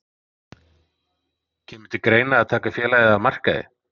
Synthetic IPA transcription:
cʰɛːmʏ̥t̪ɪkɾeːjnaːðt̪ʰaːkafjɛːlajðɪamar̥ka̰ðɪ̰

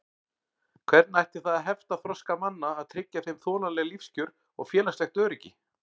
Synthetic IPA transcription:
kʰvɛɾt̪najht̪ɪ̥θaðaðɦɛft̪aθɾɔskamanːaːðt̪ʰɾɪcːaθejmθɔːnalɛɣalifscʏɾ | ɔɣfjɛːlast̪ɛjxt̪œːɾɛcːɪ

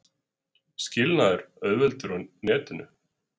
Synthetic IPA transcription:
scɪlnaðɛɾœðvɛlt̪ʏɾɔnɛːt̪ɪnʏ

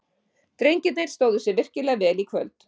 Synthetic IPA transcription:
t̪ɾejɲcɪt̪nejɾ̥st̪oːwðʏsjɛɾvɪr̥cɪlɛːɣvɛːlikʰvœ̰lt̪

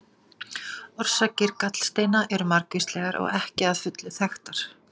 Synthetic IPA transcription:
ɔr̥sacɪɾkat̪l̥st̪eːjnaʔɛɾʏmaɾkvist̪lɛːɣaɾɔ̰ɣɛhcɪaðfʏt̪lɪθɛxt̪aɾ̥

